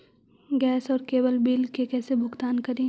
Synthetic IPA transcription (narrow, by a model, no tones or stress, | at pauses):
ɡɛːsɔːɾkeːbəlbiːlkekɛːsebʱʊɡt̪aːnkɐɾẽː